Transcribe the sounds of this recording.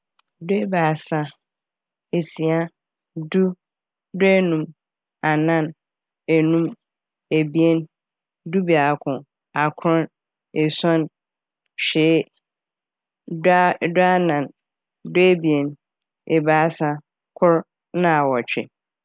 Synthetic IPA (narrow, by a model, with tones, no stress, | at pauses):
dʊ˦e˦baː˨sa˦ | e˨si˨a˦ | du˦ | dʊ˦e˦nũ˨m | a˨nã˦n | e˨nũ˦m | e˨bi˦e˦n | du˦bi˨a˨kʰʊ̃˨ | a˨kʰʊ̃˦n | e˨sɔ̃˦n | ɕᶣeː˨˦˨ | dʊ˦a˦nã˨n | dʊ˦e˦bi˨e˨n | e˨baː˨˦sã˦ | kʰʊ˦ɾ | nã˦a˨wɔ˨t͡ɕᶣɪ̰˨